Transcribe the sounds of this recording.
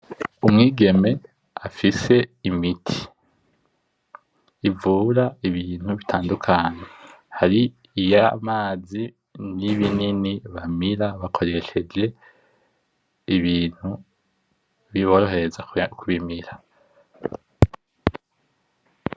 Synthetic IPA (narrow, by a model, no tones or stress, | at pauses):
umŋiːɡe̞me̞ | afise̞imitʰi̥ | ivuːɾaiβiːn̥huβitʰaːndukʰaɲehaɾiː | jamaːzi | niβininiβamiɾaβakʰo̞ɾe̞ʃe̞d͡ʒe̞ | iβiːn̥hu | βiβo̞ɾo̞ɦe̞ɾezakʰuβimiɾa